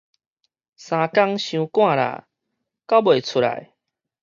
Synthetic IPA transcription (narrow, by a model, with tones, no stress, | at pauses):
sã˨˧ka˦ŋɕjũ˧kw̃ã˥˧˨ɾa̰˨˩˨ | ka˦bwe˨˩t͡sʰu˧ɾa̰˨˩˦j